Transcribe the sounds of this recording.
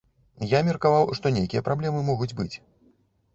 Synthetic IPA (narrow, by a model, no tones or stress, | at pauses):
jamʲɐrkavawʂt̪ɔnʲejkʲijɐpɾablʲɛmɨmɔɣud͡zʲbɨt͡sʲ